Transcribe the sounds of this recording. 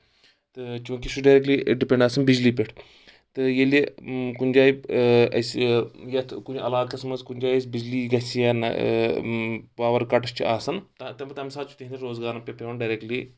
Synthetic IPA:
t̪ɨt͡ʃũːkiʃuɖɐːɾek̚ʈliɖipʲẽɳɖaːsɐnbid͡ʒliːpʲeʈʰ | t̪ɨjeliekunʲd͡ʒaːiɐsjet̪ʰkuniɐlaːlkɐsmɐnzkunʲd͡ʒaːjsʲbid͡ʒliːɡɐsijaːnɐ̰ | paːʋɐɾkɐʈst͡ʃʰiaːsɐnt̪ɐt̪ɐmt̪ɐmsaːt͡ʃʰu̥t̪iɦnd̪ɐɾoːzɡaːɾɐpʲɐpʲeʋɐnɖajɾekʈliː

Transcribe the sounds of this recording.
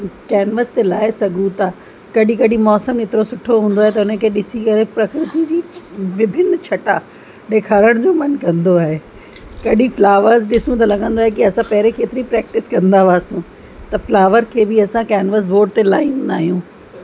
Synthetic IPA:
kɛːnʋəst̪elaːesɐɡʱũt̪aː | kɐɗikɐɗimɔːsəmɪt̪ɪɾosʊʈʰoɦũːn̆d̪oaːɦet̪̬ɐʊnəkʰeːɗɪsikɐɾepɾɐkɾɪt̪id͡ʑiːʋɪbʱɪnt͡ɕʰɐʈa | ɗeːkʰaːɾəɽ̃d͡ʑoːmɐnkɐ̃nd̪oaːɦe | kɐɗiflaːʋəɾzɗɪsũt̪ɐlɐɠə̃nd̪oaːɦek̬iɐsãpɐɦɾekeːt̪ɪɾipɾɛːk̚ʈɪskɐ̃nd̪aʋaːsũː | t̪ɐflaːʋəɾkʰeːbɪɐsãkɛːnʋəs̬boːɖ̚t̪elaːĩnnaːɦijũː

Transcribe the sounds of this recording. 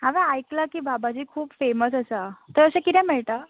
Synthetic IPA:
ɦaʋẽajklakiːbabat͡ɕiːkʰuːpfeməsəsat̪əɾəsẽkit̪ʰɛ̃mɛɭʈ̪a

